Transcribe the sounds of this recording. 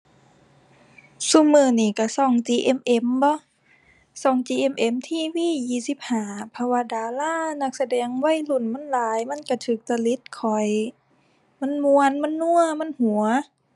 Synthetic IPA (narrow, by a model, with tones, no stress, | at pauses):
su˧˨mɯː˧˩niː˧˩ka˧˩sɔː˧˩ŋt͡ɕiː˧ʔe˧˥mʔe˧mbɔ˧˦˨ | sɔː˧˩ŋt͡ɕiː˧˩ʔe˧˥mʔe˧˩mt̪ʰiː˧˩wiː˧˥˨jiː˧˩si˧˦p̚haː˨˩˦pʰɔ˧waː˧daː˨˧laː˧˥˨na˧˩k̚sa˧dɛː˨˦ŋwa˧˥˨jlu˧˩˨nma˧˥˨nlaː˨˦jma˧˥˨nka˧˩t̪ʰɯː˨˩k̚t̪a˧˨li˧˦˥t̪̚kʰɔ˨˩j | ma˧˥˨nmu˧ənma˧˥˨nːu˧˥˨ɐma˧˥˨nhu˨˩˦ɐ